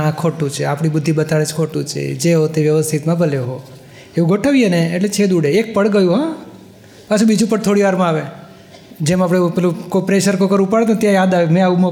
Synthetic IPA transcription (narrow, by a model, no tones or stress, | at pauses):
akʰoʈũt͡ʃʰeapɽ̃ibəd̪ʱːibət̪aɭet͡ʃkʰoʈũt͡ʃʰḛd͡ʒeɦot̪eʋjəʋəst̪ʰit̪mãbʱəleɦo | eʋũɡʱoʈʰəʋijeneːʈlet͡ʃʰed̪uɽeːk̚pəɽɡəjũɦã | pat͡ʃʰũbid͡ʒũpəɽt̪ʰoɽiʋaɾmãaʋe | d͡ʒemapɽ̃epelũkopɾeʃəɾkokəɾũpaɭet̪õt̪jãjad̪aʋemẽaumo